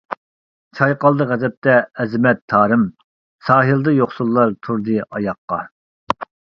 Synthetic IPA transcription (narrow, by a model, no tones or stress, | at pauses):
t͡ʃʰɑjqɑlˠd̪əʁɛzɛp̚t̪ʰɛɛzɪmɛt̪ʰːɑːɾɨm | sɑːɦɨld̪ɨjoχsulˠːɑɾt̪ʰuɾd̪ɨʔɑjɑqːɑ